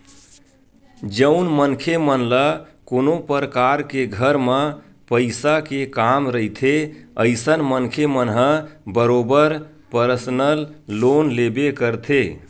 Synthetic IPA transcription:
d͡ʒəʊnmənkʰemənla | konopəɾəkaɾkeɡʱəɾmə̃ | pəɪsakekamɾəit̪ʰeəɪsənmənkʰemənɦə̃bəɾobəɾ | pəɾsnəlːonlebekəɾt̪ʰe

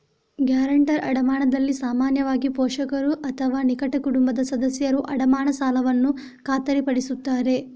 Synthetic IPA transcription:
ɡjaːɾɐɳʈɐɾɐ̰ɽɐmaːɳɐd̪ɐlːisaːmaːnjɐʋaːɡipɔːʂɐkɐɾuʔɐt̪ʰɐʋaːnikɐʈɐkuʈumbɐd̪ɐsɐd̪ɐsjɐɾuʔɐɽɐmaːɳɐsaːlɐʋɐnːu | kaːt̪ɐɾipɐɽisut̪ːaːɾe̞

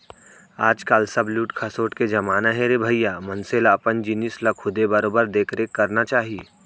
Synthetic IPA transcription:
aːd͡ʒkaːlsɐbluːʈkʰɐsoːʈked͡ʒɐmaːnaɦeːɾebʱɐijamɐnselaːpənd͡ʒinislɐkʰʊd̪ebɐɾoːbəɾd̪eːkʰɾekkːɐɾnat͡ʃaːɦieː

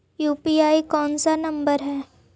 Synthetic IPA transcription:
juːpiːaːikɔːnsanɐ̃mbəɾɦɛː

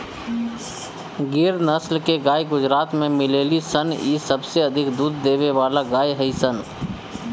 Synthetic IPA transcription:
ɡɪɾnəslkeɡaːjɡʊd͡ʒɾaːt̪mẽmɪleːlisənisɐbseɐd̪ʱɪkd̪uːd̪ːeːʋeʋaːlaɡaːjɦəisən

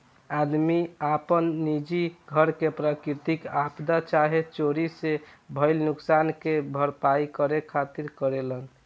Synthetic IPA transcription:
ad̪miapənːid͡ʒiɡʱəɾkepɾakɾit̪ikapd̪at͡ʃaɦet͡ʃoɾisebʱəɪlnuksankebʱəɾpajkəɾekʰat̪iɾkəɾelən

